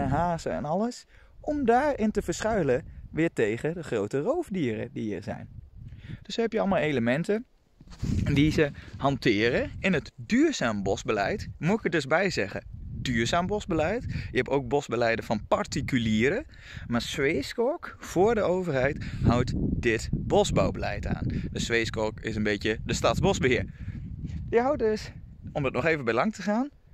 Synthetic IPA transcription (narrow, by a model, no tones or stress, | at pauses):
nɦaːzəɛ̰nɑləs | ʔɔmdaːɹɪntəvəɹsχœɥləʋɪːtejχədəχrowtərowfdiːrə̰diə̰ɹzɛ̰jn | d̥øshɛpjəɑlˠmalˠejləmɛntə | dizəhɑntɪːrəɪnətdyːɹz̥aːmbɔsbəlɛ̰jtmutɪkədɵzbɛjzɛχə̰dyːɹzaːmbɔzbəlɛjtjəɛpoːwk̚bɔzbəlɛjdəvɑnpaɹtikyliːɾə | maːɹsʋejskɔɹkfʊːɹdəowvəɹhɛjthʌwtdɪtbɔzba̰wbəlɛ̰jta̰ːndəsʋeskɔɹkɪsənbetjədəstɑtzbɔsbəɦɪːɹ | əɦawt̚døs | ɔmdɑtnɔχeːvənbɛjlɑŋtəχaːn